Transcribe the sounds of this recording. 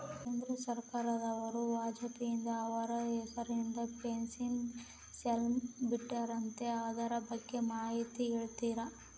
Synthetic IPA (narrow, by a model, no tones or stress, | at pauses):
kend̪ɾɐsɐɾkaːɾɐd̪ɐʋɐɾubʱaːd͡ʒɐt̪ijind̪ɐːʋɐɾɐɛkɐɾind̪ɐpensin | selmbiʈːaɾɐnt̪e̞aːd̪aɾɐbɐɡːe̞maːɦit̪ieɭt̪iːɾɐ